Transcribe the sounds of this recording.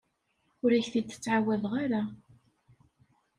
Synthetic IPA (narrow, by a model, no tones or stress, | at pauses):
ʊɾæçθit͡s̪ːə̥t͡sːʕawæðʁaɾa